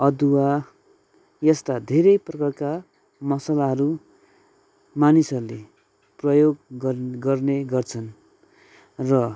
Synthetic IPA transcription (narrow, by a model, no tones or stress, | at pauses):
ʌd̪uwa | jʌst̪ad̪ʱeɾʌjprʌkʌrka | mʌsʌlaɦʌɾu | manisʌrule | prʌjoɡɡʌrneɡʌrt͡sʰʌn | rʌ